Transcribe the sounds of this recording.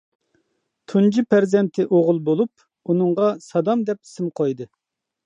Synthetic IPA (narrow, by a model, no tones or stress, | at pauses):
t̪ʰund͡ʒipʰæɾzɛnt̪ʰɪʔoʁʊlˠbolˠup̚ | unɨɴʁɑsɑd̪ɑmd̪ɛp̚i̥sɪmqʰɑjd̪ɨ